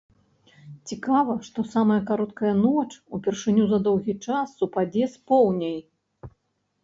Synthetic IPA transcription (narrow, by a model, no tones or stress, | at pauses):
t͡sʲikavɐʂt̪ɔsamɐjɐkaɾɔt̪kɐjɐnɔt͡ʂupʲɛrʂɨnʲuzɐd̪ɔwɣʲit͡ʂasːupad͡zʲɛspɔwnʲej